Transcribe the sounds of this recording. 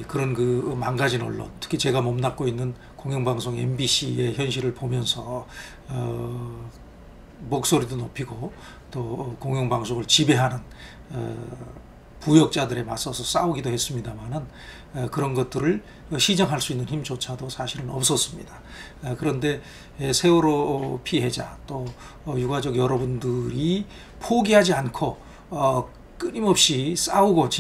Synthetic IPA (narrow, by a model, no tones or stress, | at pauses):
kɯɾʌnkɯmanɡad͡ʑinʌ̰ɭːo̰ntʰɯ̥kʰit͡ɕe̞ɡamʌmnak̚k͈oinːɯn | koŋjʌŋbaŋsʰoŋḛmbiɕ͈ʰie̞çjʌnɕ̬ʰiɾɯɭpomjʌnsʰʌ | ʌ | mok̚s͈oɾidonopʰiɡo | t͈okoŋjʌŋbaŋsʰoɡɯɭt͡ɕibe̞ɦanɯn | ʌ̰ | pujʌk̚t͡ɕ͈adɯɾe̞mas͈ʌsʰʌs͈auɡidohe̞s͈ɯmɲidamanɯn | kɯɾʌnɡʌt̚t͈ɯɾɯɭ | ɕʰid͡ʑʌŋɦaɭs͈uinːɯnçimt͡ɕot͡ɕʰadosʰaɕʰiɾɯnʌp̚s͈ʌs͈ɯmɲida | kɯɾʌnde̞ː | sʰe̞uɾopʰiɦe̞d͡ʑa̰t͈o | juɡad͡ʑʌɡjʌɾʌbundɯɾi | pʰoɡiɦad͡ʑiankʰo | ʌ | k͈ɯɲimʌp̚ɕ͈is͈auɡot͡ɕ